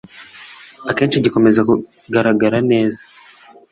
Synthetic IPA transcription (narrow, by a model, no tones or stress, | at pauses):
ake̞ːnʃiɟiko̞me̞zaku | ɡaɾaɡaɾane̞ːzḁ